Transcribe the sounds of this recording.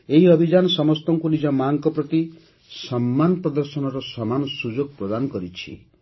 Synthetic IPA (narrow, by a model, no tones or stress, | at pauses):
eɦiɔbʱid͡ʒanɔsɔmɔst̪ɔŋkunid͡ʒɔmaŋkɔpɾɔt̪i | sɔmːanɔpɾɔd̪ɔɾsɔnɔɾɔsɔmanɔsud͡ʒoɡ̚pɾɔd̪anɔkɔɾit͡ʃʰḭ